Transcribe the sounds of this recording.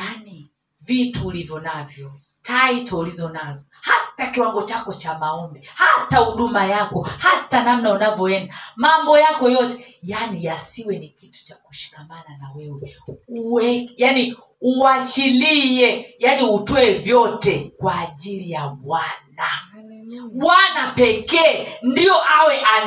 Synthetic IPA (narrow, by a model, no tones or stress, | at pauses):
jani | vituːlivjɔnavjɔ | taitʰɔulizɔnazahatakiwaŋɡɔt͡ʃakɔt͡ʃamaɔmbɛhatahuɗumajakɔhatanamnaunavjɔɛndamambɔjakɔjɔtɛ̥janijasiwɛnikitu̥t͡ʃakuʃi̥kamananawɛwɛuwɛjani | uat͡ʃiliɛjaniutwɔɛvjɔtɛkwaːʄilijaɓwana | ɓwanapɛkɛːndijɔʔawɛʔa